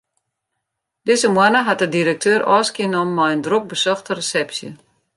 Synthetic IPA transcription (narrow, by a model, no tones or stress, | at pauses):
dɪzəmwanəɦat̚ədiɾək̚tʰøːɾʔɔ̰ːskiənɔmːajəndrok̚bəsɔxtərəsɛpsjə̰